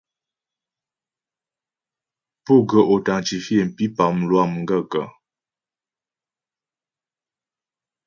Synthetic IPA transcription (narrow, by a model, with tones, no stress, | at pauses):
pu˦˨ɡə˨ʔo˨ta˨ŋt͡ʃi˨fi˦ɛ˨n˨pi˦pa˨m̩˨lwa˦˨m˨ŋ̩˦ɡə˦˨ɡə˨